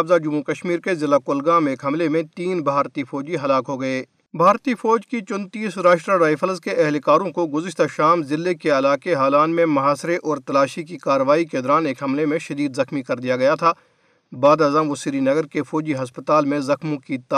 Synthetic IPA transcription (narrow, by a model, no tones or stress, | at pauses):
bzad͡ʒʊmukɐʃmiːɾkezɪlːakʊːlɡaːmeːkɦɐmlemẽt̪iːnbʱaːɾt̪ifɔːd͡ʒiɦɐlaːkɦoɡɐeː | bʱaːɾt̪ifɔːd͡ʒkit͡ʃʊ̃nt̪iːsɾaːʃʈɾaɾaːifʰəlzkeʔɛɦlkaːɾõkoɡʊzɪʃt̪aʃaːmzɪlːekeɐlaːkeɦaːlaːnmẽmɐɦaːsɾeʔɔːɾt̪ɐlaːʃikikaːɾəʋaːiked̪ɔɾaːneːkɦɐmlemẽʃɐd̪iːd̪zɐxmikɐɾd̪ijaɡɐjat̪ʰaː | baːd̪aːzamʋosiɾinɐɡəɾkefɔːd͡ʒiɦɐspət̪aːlmẽzɐxmõkit̪